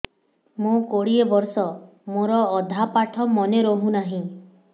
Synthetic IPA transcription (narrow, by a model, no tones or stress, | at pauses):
mũkoɽiebɔɾsɔ | moɾɔːd̪ʱapaʈʰɔmɔneɾɔɦũnaɦĩ